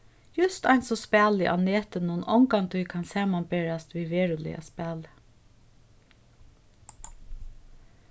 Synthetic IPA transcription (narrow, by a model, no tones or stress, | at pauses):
jʉst̪ɑnsɔspæːlɪ̰ʔɑ̰neːt̪ənuːnɔŋkɑŋt̪ʰuɪkʰɑnsæːmɑnbeɹɑst̪ʋɪʋeːɹʊlɪ̰ʔɑ̰spæːlə